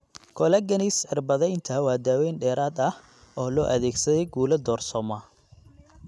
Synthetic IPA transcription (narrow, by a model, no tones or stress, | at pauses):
kʰɔlɛɡɐnisħɪrbɐðɛjnt̪ʰɐwaːd̪aːwɛːnɖɛːɾaːd̪ɐh | ɔːlɔːʔɐðɛːɡsɐðɛjɡuːlɐd̪ɔːrsɔmɐ